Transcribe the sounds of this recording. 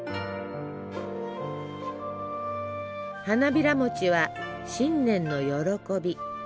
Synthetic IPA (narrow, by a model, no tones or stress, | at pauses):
hanabʲiɾamo̞t͡ɕiβa | ɕĩnːẽ̞nːo̞jo̞ɾo̞ko̞bʲi